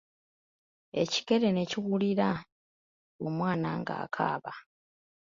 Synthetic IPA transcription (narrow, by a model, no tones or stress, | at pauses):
e̞̰ci̥ke̞ɾe̞neciɣuliɾa | omwaːnaŋɡa̰ːkʰa̰ːβa